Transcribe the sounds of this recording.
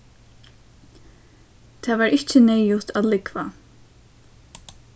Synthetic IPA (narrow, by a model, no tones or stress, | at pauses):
t̪ʰaːʋaːɾʔɪht͡ʃɪnɛjʊht̪aːðlɪkva